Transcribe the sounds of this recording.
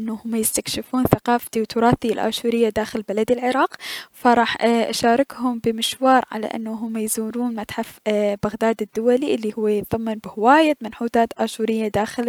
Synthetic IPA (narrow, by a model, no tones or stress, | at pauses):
ʔɪnːuhʊmːjɪst̪akʃɪfuːnθaqɑːft̪iwt̪ʊɾˤɑːθiɪlʔa̰ːʃuːɾɪjːad̪aːxɪlbalad̪ɪlʕɪɾˤɑːqfaɾˤɑːħʔaʃaːɾˤɪkhʊmbɪmɪʃwɑːɾˤʕa̰la̰ʔɪ̰nːaɦʊmːajzuːɾuːnmat̪ħafbaɣd̪aːd̪ɪd̪ːʊwaliʔɪlːihʊwːajɪt̪ˤðˤɑmːɪnbɪhɪwaːjamɪnħuːt̪aːt̪ʔaːʃuːɾɪjːad̪aːxɪl